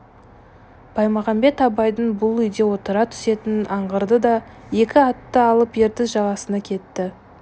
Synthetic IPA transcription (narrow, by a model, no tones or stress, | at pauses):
b̥ʰɑjmɑʁɑmbe̞t̪ɑbɑjd̪ənbʊlˠʏjd̪e̞wo̞t̪əɾɑt̪ʰʏ̥se̞t̪ɪnɑɴʁəɾd̪əd̪ɑ | je̞kʲɪɑt̪ːəɑlˠəpje̞ɾt̪ɪsʒɑʁɑsənɑkʲʰe̞t̪ːɪ